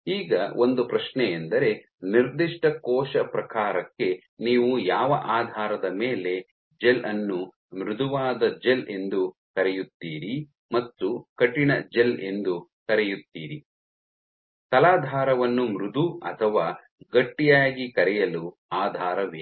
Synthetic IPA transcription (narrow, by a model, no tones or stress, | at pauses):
iːɡɐo̞nd̪upɾɐʃnɛend̪ɐɾe̞ | niɾd̪iʂʈɐkɔːʃɐpɾɐkaːɾɐkːe̞ | niːʋujaːʋɐʔaːd̪ʱaːɾɐd̪ɐmeːle̞ | d͡ʒelʔɐnːu | mɾud̪ʱuʋaːd̪ɐd͡ʒele̞nd̪u | kɐɾɛjut̪ːiːɾi | mɐt̪ːukɐʈːinɐd͡ʒele̞nd̪ukɐɾɛjut̪ːiːɾi | t̪ɐlaːd̪ʱaːɾɐʋɐnːumɾud̪ʱuɐt̪ʰɐʋaː | ɡɐʈːijaːɡikɐɾɛjɐlu | aːd̪ʱaːɾɐʋe